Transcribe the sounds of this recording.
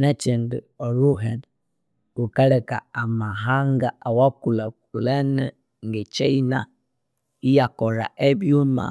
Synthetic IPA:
nat͡ʃendə̰ɔɾuɦɛn | ukaɾɛkaamaɦaŋɡaawakula | lanɛ | ŋɡet͡ʃɛina̰ | ijakɔɾa̰ʔɛbioma̰

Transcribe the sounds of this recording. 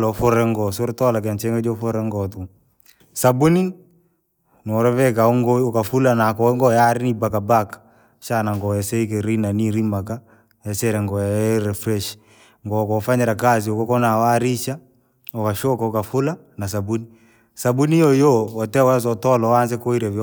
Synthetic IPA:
lɔfʊɾɛŋɡɔsuɾtɔlak̬ɛnt͡ʃɛŋɡed͡ʒofɔɾɛŋɡɔtu | sabuni | nɔɾɔvɛkaoŋɡokafulanakɔŋɡɔjaɾinibakabak | ʃanaŋɡɔɛsɛik̬eɾinaniɾimaka | ɛsɛɾɛŋɡɔjaɾɛfɾɛʃ | ŋɡɔkɔfaɲɛɾakas̬iokɔkɔnawaɾiʃa | ɔkaʃokaɔkafula | nas̬abuni | sabunijojoɔtɛwas̬ɔtɔlɔwans̬ɛkoiɾev

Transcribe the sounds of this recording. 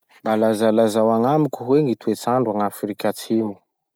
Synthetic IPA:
mbalazalazawaŋamikʲuɦweŋit̪uet͡saɳɖ͡ʐaŋafrikʲat͡sʰimu

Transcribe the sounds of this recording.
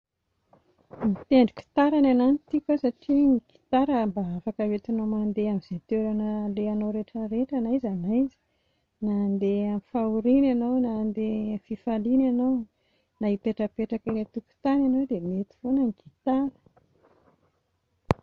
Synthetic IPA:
mit̪eɳɖ͡ʐi̥ki̥t̪aɾanananit̪ikasaʈ͡ʂiŋiɡ̥i̥t̪aɾəmbaafakavet̪ianomand̪eamiz̥et̪eɾanəleanoɾeʈ͡ʂəɾeʈ͡ʂanajzanazi̥ | nand̪eamifauɾinanawnand̪efifalinanow | naipeʈ͡ʂəpeʈ͡ʂakəlet̪uku̥t̪ananowd̪emet̪i̥fonəŋiɡit̪aɾə̥

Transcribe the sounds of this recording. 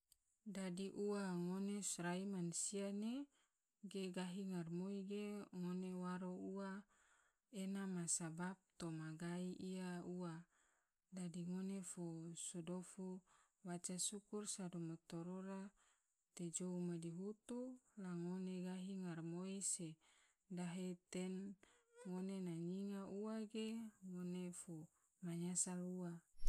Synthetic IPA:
dadiʔuwaŋonesɾaimansiane | ɡeɡaɦiŋarmoiɡeŋonewaɾoua | enamasabap̚t̪omaɡaiʔiaua | dadiŋonefosodofu | wat͡ʃasukursadomat̪oɾoɾa | t̪ed͡ʒoumadiɦut̪ulaŋoneɡaɦiŋarmoise | daɦet̪enŋonenaɲiŋaʔuaɡeŋonefo | maɲasalua

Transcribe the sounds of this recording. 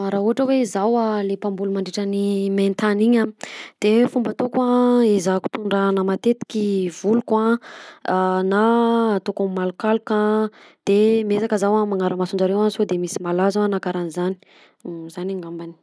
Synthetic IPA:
aɾauaʈ͡ʂəweizawalepambulumaɳɖ͡ʐiʈ͡ʂəniment̪aniɲad̪̥efumbat̪okwaezaku̥t̪uɳɖ͡ʐanamat̪et̪i̥kʲivuluka | nat̪okamimalukaluka | d̪̥emiezakəzawamaŋaɾəmasunɳd͡ʒaɾewansod̪emisimalazaanakaɾanizani̥ | z̥anaŋambani̥

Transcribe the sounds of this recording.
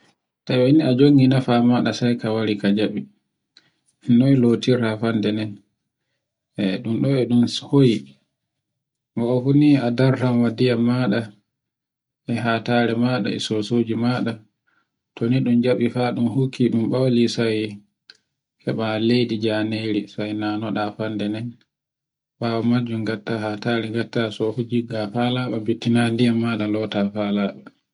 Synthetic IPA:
tawainiad͡ʒoŋɡinafamaɗasajkawaɾikad͡ʒaɓi | nɔjlotiɾafandɛnɛn | ɛɗumɗɔɛɗumhoji | ɡɔɔfuniadaɾtamwadijamːaɗa | ʔɛɦaːtaːɾɛmaːɗa̰ɛ̰sosoːd͡ʒimaɗa | tɔniɗumd͡ʒaɓifaɗumhukʰːiɗumɓawlisaj | kɛɓalejdid͡ʒaːneɾisajnanɔɗafandɛnɛn | ɓaːwɔmad͡ʒumɡatːahaːtaːɾɛɡatːasɔfud͡ʒiɡafaːlaɓabitːinandijamːaɗalɔtafalaːɓa

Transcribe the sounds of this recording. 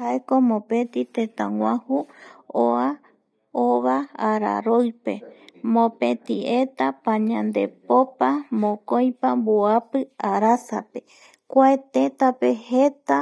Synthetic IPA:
haekomõpẽ̞t̪it̪et̪ãŋwãhuoa | oβaːɾa̰ɾojpe̞mõpẽt̪iet̪apãɲãnd̪e̞̰popamõkoj̃pamboapɨaɾasa̰pe̞ | kʷaet̪ẽt̪apehet̪a

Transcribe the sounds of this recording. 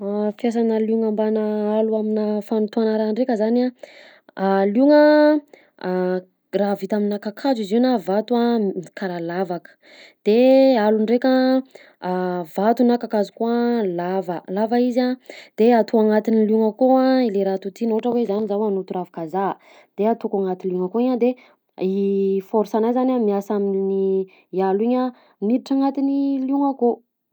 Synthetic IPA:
fjas̬anəluŋambanəaluaminəfanut̪uanaɾaɳɖ͡ʐekʲəzana | aluŋə | raːvit̪aminakakʰazizinavat̪uamikaɾalavakə̥ | d̪̥ealuɳɖ͡ʐekʲa | vat̪unakakazukualavəlavaizad̪̥eat̪ʰuaŋat̪iniluŋəkoaileɾat̪ut̪inoɦʈ͡ʂəwezanizawanot̪uɾavakaza | d̪̥eat̪ukaŋat̪inluŋakoiɲad̪e | ifoɾisanajzanamiasaminni | aliɲa | niɾiʈ͡ʂaŋat̪iniljuŋako

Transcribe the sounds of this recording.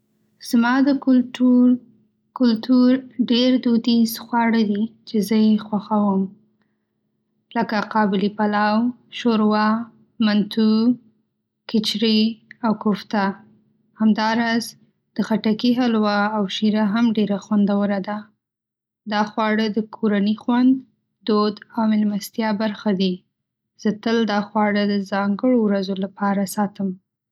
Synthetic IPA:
z̥mɑd̪ə | kʊlt̪uɾɖeɾd̪ud̪isxwɑɽəd̪it͡ʃezəjexwaxawəm | ləkaqɑbɪlipalaw | ʃoɾwɑ | mant̪u | kɪt͡ʃɾiawkʊft̪a | hamd̪ɑɾɑz | d̪̥əxaʈakiɦalwaːwʃiɾaɦamɖeɾaxwand̪awəɾad̪a | d̪ɑxwɑɽəd̪əkʰoɾanixwand̪ | d̪od̪awmɪlmast̪jɑbaɾxad̪i | z̥ət̪əld̪ɑxwɑɽəd̪əzɑŋɡəɽowɾazolapɑɾasɑt̪əm

